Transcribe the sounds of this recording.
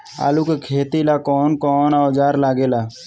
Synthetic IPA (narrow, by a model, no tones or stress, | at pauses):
a̰ːlukekʰeːt̪ilaːkɔːnkɔːnaːd͡ʒaːɾlaːɡeːlaː